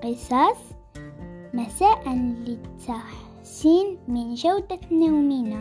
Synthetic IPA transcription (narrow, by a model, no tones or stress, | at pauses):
qəsˤɑs | mæsæʔənlit̪ʰːaħ | sinminʒæwd̪æt̪niwminæ